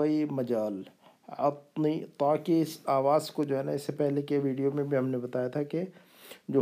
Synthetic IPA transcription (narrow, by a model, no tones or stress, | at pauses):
əimɐd͡ʒaːl | ɐt̪nit̪aːkiɪsaːʋaːzkod͡ʒoːɦɛːna̰ɪsːepɛɦlekeʋiːɖijomẽbʱiɦɐmnebɐt̪aːjat̪ʰake | d͡ʒoː